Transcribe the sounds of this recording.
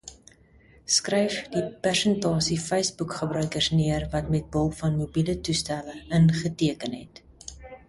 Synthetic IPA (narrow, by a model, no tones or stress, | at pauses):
skrɛjfdipærsəntɑːsifɛjsbukχəbrœɥkərsniərvɐtmɛt̚bəlˠfɐnmubilətustæləənχətiəkənɦɛ̰t